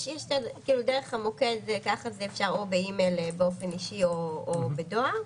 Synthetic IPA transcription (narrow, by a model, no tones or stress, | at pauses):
ʃjeʃtedkiːludeʁeχhamokedkaχazeefʃaʁobeimelbeo̞fe̞niʃioːbedoa